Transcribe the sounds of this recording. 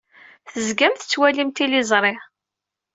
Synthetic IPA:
θəzɡæmθət͡sːwælimt̪ilɪzˤɾˤɪʁ

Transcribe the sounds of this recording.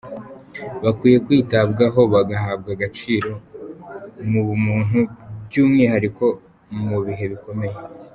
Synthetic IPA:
βakwiːje̞kwiːtabɡaɦo̞βaɡaɦab̚ɡaɡat͡ʃiːɾo̞ | mumuːn̥ubbɟuːmŋiːhaɾiko̞ | muβiɦe̞βiko̞me̞je̞

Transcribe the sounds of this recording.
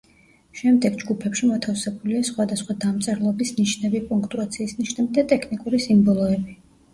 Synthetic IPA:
ʃɛmd̪ɛɡd͡ʒɡupʰɛpʃimɔt̪ʰafsɛbuliasχwad̪asχwad̪amt̪sʼɛɾlˠɔbisniʃnɛbipʼuŋkʰt̪ʼuat̪sʰiːsniʃnɛbid̪at̪ʼɛkʰnikʼuɾisimbɔlˠɔɛbi

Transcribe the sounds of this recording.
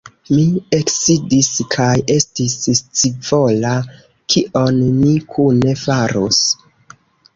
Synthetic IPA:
mie̞ksidiskʰaje̞stisst͡sivo̞la | kʰiʔo̞nmikʰune̞faɾṵs

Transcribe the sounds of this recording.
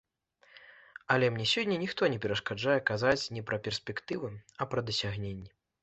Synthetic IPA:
ɐlʲɛmnʲɛsʲɔdʲːɐnʲixt̪ɔnʲɛpʲɛɾɐʂkad͡ʐajɛkazat͡sʲnʲɛpɾɐpʲɛrsʲpʲɛkt̪ɨvɨɐpɾɐd̪ɐsʲaɣnʲenʲːɛ

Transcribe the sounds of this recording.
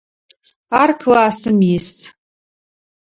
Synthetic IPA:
arkʰɨlaːsɨmjɪs

